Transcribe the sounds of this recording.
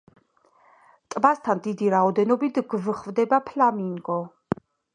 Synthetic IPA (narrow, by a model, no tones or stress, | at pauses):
t̪ʼmast̪ʰand̪id̪iɾaɔd̪ɛnɔbit̪ʰɡvχvd̪ɛbapʰlamiŋɡɔ